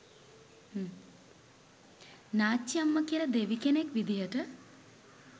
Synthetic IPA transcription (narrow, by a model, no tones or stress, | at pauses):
naːt͡ʃːijamːəkiələd̪eʋikenekʋid̪ijəʈə